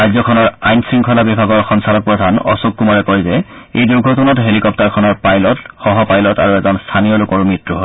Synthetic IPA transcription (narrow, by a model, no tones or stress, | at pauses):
ɹajzɔkʰɔnɔɹajnsɹiŋkʰɔlabibʱaɡɔɹxɔnsalɔk̚pɹɔdʱanɔ̰suk̚kːumɔɹɛkɔɹjzɛejduɡʱotunɔtɦelikɔp̚taɹkʰɔnɔɹpajlɔtxɔɦɔpajlɔtaɹuɛzɔnstʰanijɔlʊkɔɹumɹitɹuɦo